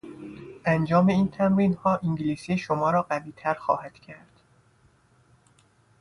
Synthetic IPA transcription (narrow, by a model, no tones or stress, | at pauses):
ʔænd͡ʒɒːme̞iːnt̪ʰæmɾiːnhɒːʔiŋɟiliːsiːeʃomɒːɾɒːɢæviːt̪ʰæɾxɒ̰ːhæd̪̥cʰæɾd̪̥